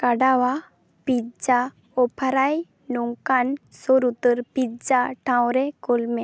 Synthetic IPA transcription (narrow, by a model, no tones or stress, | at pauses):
kaɖawa | pid͡ʒa | ɔpʰaɾaj | nɔŋkansoɾut̪əɾpid͡ʒaʈʰãw̃ɾɛkolmɛ